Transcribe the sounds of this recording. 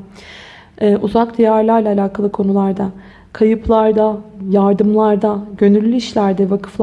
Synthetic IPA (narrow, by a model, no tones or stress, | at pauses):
ɛːʔuzakd̪ijæɾlʲˠæɾlʲɛalʲaːkʰalˠɯkʰo̞nulˠaɾd̪a | kʰajɯpʰlˠaɾd̪ajaɾd̪ɯmlˠaɾd̪aɟø̞nylʲːyiʃlʲæɾd̪ɛvakʰɯ̥fˠ